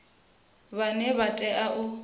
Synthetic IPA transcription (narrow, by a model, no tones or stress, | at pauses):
βanɛβatʼɛʔaʔʊ